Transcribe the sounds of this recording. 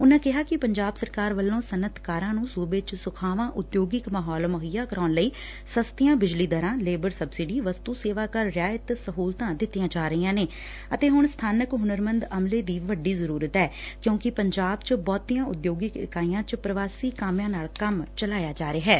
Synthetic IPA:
ʊnãːkɪɦaːkɪpəɲd͡ʒaːbsəɾkaːɾʋəlːõːsənət̪ʰkaːɾãːnũːsuːbɪt͡ʃsʊkʰaːʋãːʔʊd̪joːɡɪkmaɦɔːlməɦəjaːkəɾaːnləiː | səst̪ɪjãːbɪd͡ʒliːd̪əɾãːleːbəɾsəbsɪɖiːʋəst̪uːseːʋaːkəɾːjaːət̪səɦuːlt̪ãːd̪ɪt̪ːijãːd͡ʒaːɾəiːãːneː | ət̪eːɦʊɳ̃st̪ʰaːnəkɦʊnəɾmənd̪əmleːd̪iːʋəɖiːzəɾuːɾət̪ɦɛːkjõːkɪpəɲd͡ʒaːbt͡ʃbɔːt̪iːãːʊd̪joːɡɪkɪ̰kaːijãːt͡ʃpɾəʋaːsiːkaːmjãːnaːɭkəmt͡ʃəlaːjaːd͡ʒaːɾeːɦɛː

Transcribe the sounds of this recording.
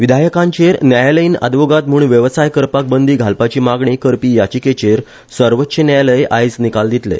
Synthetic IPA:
ʋid̪ʱajəkãɲt͡ɕeɾnjajləiːnə̰d̪ʋoɡat̪muːɳʋjəʋsajkəɾpak̚bənd̪iːɡʱalpat͡ɕiːmaɡɳikəɾpiːjat͡ɕiːket͡ɕeɾ | səɾʋətːɕənjajləjʔajd͡znikald̪it̪lḛ

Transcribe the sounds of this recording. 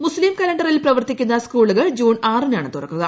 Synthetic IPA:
muslimkɐlɐɳɖɐrilprɐʋɐrt̪ikʲːunːɐskuːɭuɣɐɭd͡ʑuːnaːrinaːɳɨt̪urɐkːuɣɐ

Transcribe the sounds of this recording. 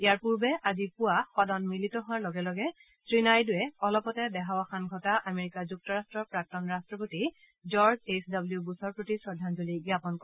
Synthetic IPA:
ijaɹpuɹbɛʔazipʊaxɔdɔnmilitɔɦʊaɹlɔɡɛlɔɡɛ | tɹinajdʊɛɔlɔpɔtɛdɛɦawaxanɡʱɔtaʔameɹikazuk̚tɔɹastɹɔɹpɹak̚tɔnɹastɹɔp̬oti | zɔɹzesdabljubusɔɹpɹotisɹɔdʱanzuliɡiapɔnkɔ

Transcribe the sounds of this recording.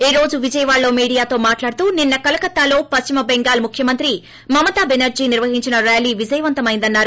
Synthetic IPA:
eːɾo̞ːd͡ʒuʋid͡ʒɐjɐʋaːɭːo̞ːmiːɽijaːt̪o̞ːmaːʈlaːɽut̪uːninːɐkɐlɐkɐt̪ːaːlo̞ːpɐst͡ʃimɐbɛŋɡaːlmukʰjɐmɐnt̪ɾi | mɐmɐt̪aːbenɐɾd͡ʒiːniɾʋɐɦiɲt͡ʃinɐɾjaːliːʋid͡ʒɐjɐʋɐnt̪ɐmɐjind̪ɐnːaːɾu

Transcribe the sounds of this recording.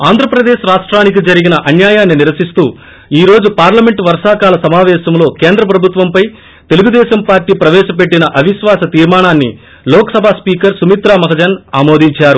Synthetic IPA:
aːnd̪ʱɾɐpɾɐd̪eːʃɾaːʂʈɾaːnik̬id͡ʒɐɾiɡinɐʔɐnjaːjaːnːiniɾʋɐsist̪uː | iːɾo̞ːd͡ʒupaːɾlɐmeɳʈʋɐɾʂaːkaːlɐsɐmaːʋɛːʃɐmlo̞ːke̞ːnd̪ɾɐpɾɐbʱut̪ʋɐmpɐj | t̪e̞luɡud̪ɛːʃɐmpaːɾʈiːpɾɐʋɛːʃɐpeʈːinɐʔɐʋiʃʋaːsɐt̪iːɾmaːɳaːnːḭ | lɔːkɐ̥sɐbʱaːspiːkɐɾsumit̪ɾaːmɐɦɐd͡ʒɐnaːmo̞ːd̪ʱiɲt͡ʃaːɾu

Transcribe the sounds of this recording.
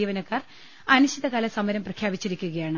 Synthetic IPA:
iːʋɐnɐkːaːr | ɐnuɕiðɐkaːlɐsɐmɐɾɐmprɐkʰjaːbit͡ɕːiɾikʲːuɣɐjaːɳɨ

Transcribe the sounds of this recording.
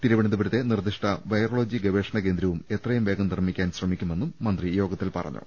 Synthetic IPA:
t̪iɾuʋɐɳid̪ubɐɾut̪ːe̞nird̪iʂʈʰɐʋɐjroːɭoːd͡ʑiɡɐʋeːʂɐɳɐke̞ːnd̪ɾɐʋume̞t̪rɐjumʋe̞ːɡɐmnirmikʲːaːnɕrɐmikʲːumenːumːɐnd̪rijo̞ːɡɐt̪ːilpɐ̰rɐ̰ɲːṵ

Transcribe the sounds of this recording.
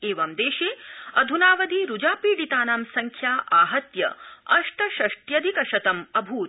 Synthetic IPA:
eːʋɐmd̪eːʃeːɐd̪ʱunaːʋɐd̪iɾud͡ʒaːpiːɽit̪aːnaːmsɐŋkʰjaːʔaːɦɐt̪jɐ̰ɐʂʈɐʃɐʂʈjɐd̪ʱikɐʃɐt̪ɐmɐbʱuː

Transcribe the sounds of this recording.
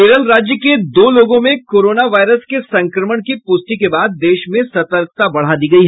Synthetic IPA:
eːɾəlɾaːd͡ʒjəked̪oːloːɡõmẽkoːɾoːnaʋaːɪɾəskesɐ̃ŋkɾəməɽ̃kipʊst̪ikebaːd̪̚ːeːʃmẽsɐt̪əɾkt̪abɐɽ̤ad̪iːɡɐiɦɛː

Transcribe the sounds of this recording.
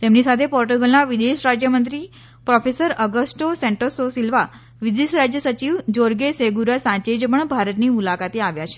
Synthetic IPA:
t̪emnisat̪ʰepɔɾʈuɡəlnaʋid̪eʃɾad͡ʒjəmənt̪ɾi | pɾɔfesəɾəɡəsʈosɛ̃ɳʈəsosilʋa | ʋid̪eʃɾad͡ʒjəsət͡ʃiʋd͡ʒoɾɡeseɡuɾasãt͡ʃed͡ʒpəɳbʱaɾət̪nimulakat̪eaʋjat͡ʃʰe̥

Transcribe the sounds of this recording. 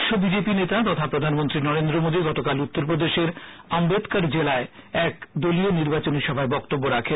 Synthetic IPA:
ʃobid͡ʑepinet̪at̪ɔt̪ʰapɾod̪ʱanmont̪ɾinɔɾend̪ɾomod̪iɡɔt̪okalut̪ːoɾpɾod̪eʃeɾ | ambed̪kaɾd͡ʑelaeɛkd̪olioniɾbat͡ɕoniʃɔbʱaebɔkt̪obːoɾakʰe

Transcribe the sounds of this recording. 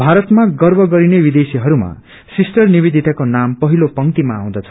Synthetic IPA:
bʱaɾʌt̪maɡʌrbʱʌɡʌɾinebid̪esiɦʌɾuma̰ | sisʈʌrnibid̪ʱit̪akonampʌɦilopʌŋt̪imaaw̃d̪ʌt͡sʰʌ̥

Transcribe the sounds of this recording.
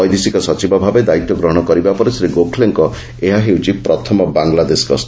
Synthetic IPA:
ɔjd̪isikɔsɔt͡ʃibɔbʱabed̪ait̪jɔɡɾɔɦɔɽ̃ɔkɔɾibapɔɾesɾiɡokʰleŋkɔ | eɦaɦewt͡ʃʰipɾɔt̪ʰɔmɔbaŋlad̪eskɔs

